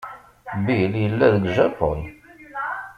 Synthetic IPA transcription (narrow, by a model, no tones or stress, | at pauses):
biljəlːæðəɡʒæpoj